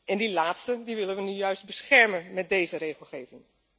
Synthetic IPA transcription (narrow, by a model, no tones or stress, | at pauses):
ʔɛndilaːtstədiʋɪlənʋənyjœɥst̚bəsχɛɹmənmɛt̚dejzəɾejχəlˠχeːvɪŋ